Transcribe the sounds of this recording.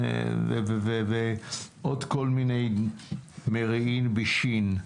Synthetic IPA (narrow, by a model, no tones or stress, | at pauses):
vḛveveveʔod̪ko̞lminej | meʁiimbiʃin